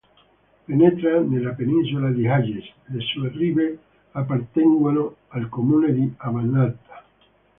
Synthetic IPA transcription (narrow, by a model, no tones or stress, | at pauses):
penet̪ɾanelapenĩns̬ulaðiɦaʝesðesueriβe | apaɾt̪eŋɡwaloalkomuneðiaβanːalt̪ḁ